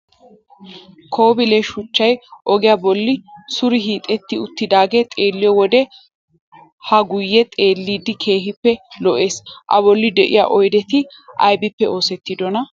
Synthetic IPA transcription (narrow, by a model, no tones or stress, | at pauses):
kʰoːbɪlɛʃʊt͡ʃːɐjʔɔɡɪjabɔlːɪsʊɾɪɦiːt̪ʼɛt̪ːɪʊt̪ːɪd̪aːɡet̪ʼe̞ːlːɪjɔwɔd̪ɛ | hɐɡʊjːɛt̪ʼe̞ːlːiːd̪ːɪkʰe̞ːɦɪpːɛlɔʔe̞ːsʔɐ̰bɔlːɪd̪ɛʔɪ̰ja̰ʔɔjd̪ɛt̪ɪ | ʔɐ̰jbɪpːɛo̞ːsɛt̪ːɪd̪ɔnɐ